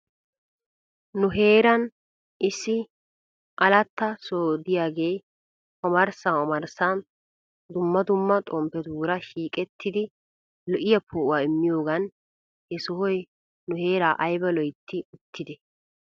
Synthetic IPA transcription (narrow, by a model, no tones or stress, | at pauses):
nʊɦe̞ːɾɐn | ɪsːɪ | ʔɐlɐt̪ːɐsoːd̪ɪjaːɡe̞ː | ɔmɐɾsaːɔmɐɾsan | d̪ʊmːɐd̪ʊmːɐt̪ʼɔmpɛd̪uːɾɐʃiːkʼɛt̪ʰːɪd̪ɪ | lɔʔɪjɐpʰoʔʊwaːɪmːɪjo̞ːɡɐn | hɛsɔhɔj | nʊhe̞ːɾaːʔɐjbɐlɔjt̪ʰːɪʊt̪ʰːɪd̪ɛ